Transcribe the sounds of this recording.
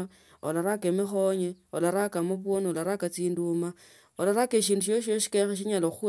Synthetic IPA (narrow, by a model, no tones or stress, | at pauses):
olaɾakemixoɲeolaɾakamuβuonolaɾakat͡siːnduma | olaɾakeʃ̬iːnduʃoʃ̬oʃi̥kexeʃ̬iɲaloxu